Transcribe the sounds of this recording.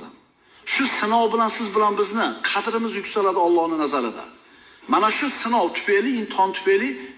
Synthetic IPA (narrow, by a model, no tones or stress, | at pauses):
ɪ | ʃʊsɪnɒwbɪlansɪzbɪlanbɪznɪqʰɑt̪ɾɪmɪzjʊkʲsalad̪ɪɒlˠːɒhnɪnazaɾɪd̪a̰ | manaʃʊsɪnɒwt̪ʰʊ̥feliɪnt̪ʰɒnt̪ʰʊ̥feli